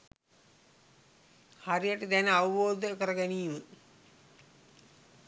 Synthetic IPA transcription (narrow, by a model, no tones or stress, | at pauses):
haɾijəʈəd̪ænəaʋuʋoːd̪əkəɾəɡæniːmə